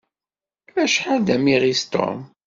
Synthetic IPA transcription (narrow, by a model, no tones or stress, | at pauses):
æʃħaðæmiʁist̪o̰m